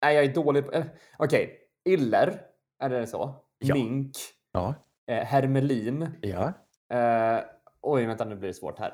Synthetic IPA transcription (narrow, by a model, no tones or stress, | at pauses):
næɪjɑɡæɖoːlɪɡpɛ | ʔɔkʰɛj | ɪlːəɾ | ʔæɖɛsɔ̰ | mɪŋkː | hæɾmɛliːnj | ʔɔjvɛnt̪anʉblɪɖɛsvo̰ːʈhæ̰ːɾ